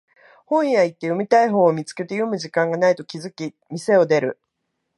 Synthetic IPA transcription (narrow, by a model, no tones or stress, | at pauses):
hõ̞ɰ̃jait̪ːe̞jo̞mʲit̪aiɦo̞ːmʲit͡sɨ̥ke̞t̪e̞jo̞mɯ̟ʑikãŋɡanait̪o̞kʲizɨkʲi | mʲise̞o̞d̪e̞ɾɯ̟̰